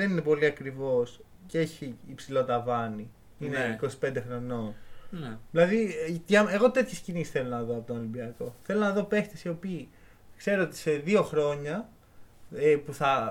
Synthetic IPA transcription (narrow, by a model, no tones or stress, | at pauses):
ðe̞ninepo̞liɐkɾivo̞s | cee̞çiːpsilo̞t̪ɐvɐni | ineiko̞si̥pe̞nd̪exɾo̞no̞ | ðilɐðit̪ʝɐe̞ɣo̞t̪e̞t̪çe̞scinisi̥sθe̞lo̞nɐðoɐpo̞t̪onɐlimbiɐko̞θe̞lo̞nɐðo̞pe̞xt̪esio̞piː | kse̞ɾoot̪i̥se̞ðio̞xɾo̞ɲɐ | epuθɐ